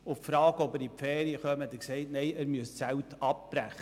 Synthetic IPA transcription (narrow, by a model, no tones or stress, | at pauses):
ʊffɾɑːɡəɔbəɾipfɛːɾiəχœmət̪ɛksɛɪtnɛɪæɾmyəst͡sæwtɑp̚b̥ɾæχə